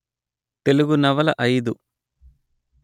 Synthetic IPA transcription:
t̪e̞luɡunɐʋɐlɐʔɐjd̪u

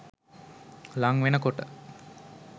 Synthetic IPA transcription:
laŋʋenəkoʈə

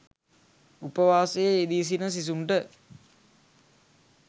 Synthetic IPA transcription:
upəʋaːsejeːd̪iːs̬inəs̬is̬uɳʈə

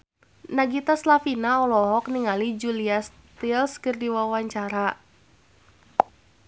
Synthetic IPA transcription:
naɡit̪aslafinaɔlɔɦɔk̚niŋalid͡ʒulias | t̪ilskɨrdiwawaɲt͡ʃaɾa

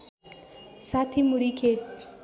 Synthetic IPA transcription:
sat̪ʰimuɾikʰeʈ̪

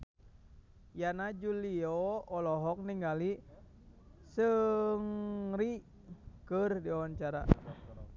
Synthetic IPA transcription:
janad͡ʒuliɔːlɔɦɔk̚niŋɡali | səŋɾi | kərdiawant͡ʃaɾa̰

